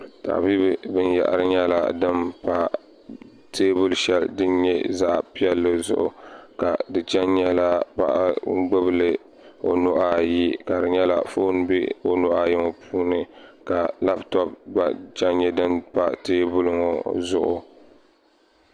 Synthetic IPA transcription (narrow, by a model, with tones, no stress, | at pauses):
ta̰˨bi˦bɨ˨bɨ˦nja̰˨ʔa̰˨ɾɨ˦ɲɛ˦la̰˦dɨ˦mpa˦ | tʰeː˦bʊ˦lʃɛ˦ldɨ˦nɲɛ˦za˦ʔpi˦ɛ˦lːɨ˦zʊ̰˦ʔʊ̰˨ka˨dɨ˨t͡ʃɛ˦nɲɛ˦la˦pa̰˨ʔɡ͡bɨ˦blɨ˦ | o˨nʊ˦ʔa˨ji˦ka˨dɨ˨ɲɛ˦la˦˨fo˦n˦bḛ˦o˦nʊ˦ʔa˦jɪ˦ŋo˨pʰuː˦nɨ˨ka˨la˦ptɔ˦pba˨t͡ʃɛ˦nɲɛ˦dɨ˦npa˦teː˦bʊ˦lʊ˦ŋo̰˨zʊ˦ʔʊ˦˨